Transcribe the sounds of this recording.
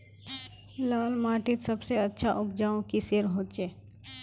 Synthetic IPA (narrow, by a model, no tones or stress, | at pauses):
laːlmaːʈɪt̪səbseɐtːʃʰaʔʊbd͡ʒaːõkiseːɾɦoːt͡ʃeː